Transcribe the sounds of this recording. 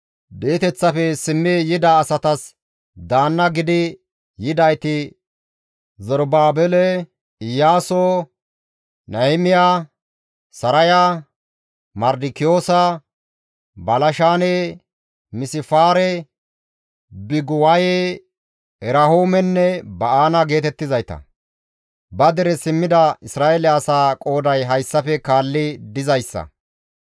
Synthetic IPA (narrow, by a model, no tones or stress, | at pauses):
beːt̪ɛt͡sːɐfɛsɪmːɪjɪd̪aːsɐt̪ɐs | d̪aːnːɐɡɪd̪ɪ | jɪd̪ɐjt̪ɪ | zɔɾbaːbɛlɛ | ɪjaːso | nɐɪmɪjaː | sɐɾɐja | mɐɾd̪ɪkɪjo̞ːsɐ | bɐlɐʃaːne | mɪsɪfaːɾɛ | bɪɡʊwɐjeː | ɛɾɐɦoːmɛnːɛbɐʔaːnɐɡe̞ːt̪ɛt̪ːɪzɐjt̪ɐ̰ | bɐd̪ɛɾɛsɪmːɪd̪ɐɪsɾaːʔɛlɛɐsaːkʼo̞ːd̪ɐjɦɐjsːɐfɛkaːlːɪd̪ɪzɐjsːɐ̰